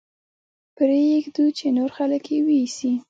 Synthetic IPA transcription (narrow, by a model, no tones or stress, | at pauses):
pɾejeɡd̪ut͡ʃenoɾxaləkjewiisi